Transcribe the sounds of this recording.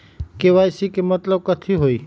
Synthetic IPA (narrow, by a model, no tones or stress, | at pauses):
keʋajsikemət̪ləb̚kət̪ʰiɦoi